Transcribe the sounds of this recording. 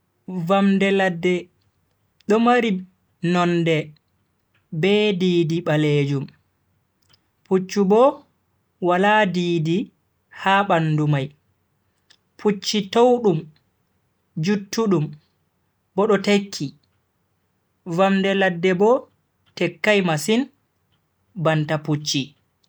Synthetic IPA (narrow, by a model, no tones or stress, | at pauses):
vamdɛladːɛ | ɗɔmaɾi | nɔndɛ | bɛdiːdiɓaled͡ʒum | put͡ʃːubɔ | walaːdiːdi | haɓandumaj | pʰut͡ʃːitowɗum | d͡ʒutːuɗum | bɔɗɔtekʰːi | vamdɛladːɛbɔ | tɛkːajmasin | bantaput͡ʃːi